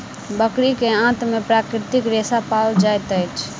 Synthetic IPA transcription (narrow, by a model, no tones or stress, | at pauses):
bəkɾikeãt̪mepɾakɾɪt̪ikɾesapald͡ʒajt̪əjt͡ʃʰ